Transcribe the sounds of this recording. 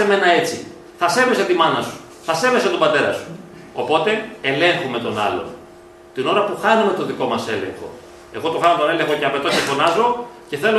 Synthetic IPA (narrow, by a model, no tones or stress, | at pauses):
eme̞nɐe̞t͡si | θɐse̞ve̞sɐt̪imɐnɐsu̥ | θɐse̞ve̞sɐt̪obɐt̪e̞ɾɐ̰su̥ | o̞po̞t̪e̞ːle̞ŋxume̞t̪o̞nɐ̰lo̞̰n | t̪ino̞ɾɐpuxɐnume̞t̪o̞ðiko̞mɐse̞le̞̰ŋxo̞̰ | e̞ɣo̞t̪o̞xɐnot̪o̞ne̞le̞ŋxo̞ceɐpet̪oce̞fo̞nɐzo̞ce̞θe̞lo